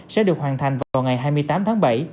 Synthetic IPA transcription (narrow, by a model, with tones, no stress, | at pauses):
sɛ̰˧˥ɗɨ˨˩ək̚hwaː˨˩nt̪ʰa˨˩jŋ̟vaː˨˩vaː˨˩wŋa˨˩jɦaː˧jmɨ˧əjt̪aː˨˦mt̪ʰaː˨˦ŋɓa̰˧˩j